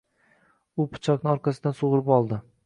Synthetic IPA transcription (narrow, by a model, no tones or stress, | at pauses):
ʊpʰʊ̥t͡ʃʰɒknɪɒɾqʰɑsɪd̪ansoʁɾɪpɒlˠd̪ɪ